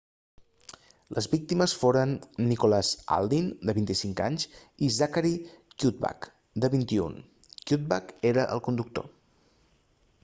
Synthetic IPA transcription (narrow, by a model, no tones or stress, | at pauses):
lʔəzβik̚t̪iməsfoɾənːikolaza̰lˠd̪ind̪əβint̪isiŋkaɲzizakaɾikjut̪̚ba̰k | d̪əβint̪iṵn | kjut̪̚ba̰keɾəʔə̰lˠkund̪uk̚t̪o̰